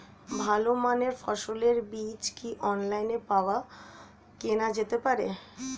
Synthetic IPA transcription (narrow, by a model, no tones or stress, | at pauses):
bʱalomaneɾfɔʃoleɾbit͡ɕkiʔɔnlajnepaoa | kenad͡ʑet̪epaɾḛ